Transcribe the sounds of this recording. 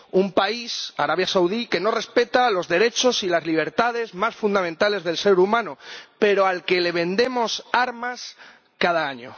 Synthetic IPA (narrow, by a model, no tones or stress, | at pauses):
umpaisa̰ɾaβjasawð̞ike̞no̞re̞spe̞t̪alo̞zðe̞ɾe̞t͡ʃo̞silazliβ̞e̞ɾt̪að̞e̞zmasfund̪amẽnt̪ale̞zðe̞lse̞ɾumãnope̞ɾo̞alke̞le̞βe̞nd̪e̞mo̞saɾmas | kað̞aaɲo̰